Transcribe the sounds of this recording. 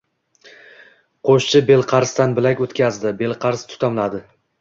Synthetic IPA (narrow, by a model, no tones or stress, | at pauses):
qʰoʃt͡ʃʰɪbe̞lˠqʰɑɾst̪anbɪlakʲot̪kʲʰazd̪ɪbe̞lˠqʰɑɾst̪ʰʊ̥t̪ʰamlad̪ɪ